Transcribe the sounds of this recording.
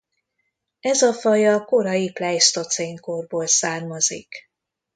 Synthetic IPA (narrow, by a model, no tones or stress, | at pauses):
ɛzɒfɒjɒko̞ɾɒjiplɛjst̪o̞t̪seŋkorboːlsaːrmɒzḭk